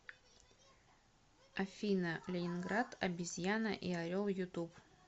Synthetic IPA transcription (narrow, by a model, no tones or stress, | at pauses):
ɐfʲinəlʲɪnʲɪnɡɾat̪ɐ̰bʲɪzʲjanə̰ʔiɐɾʲolˠjʊt̪up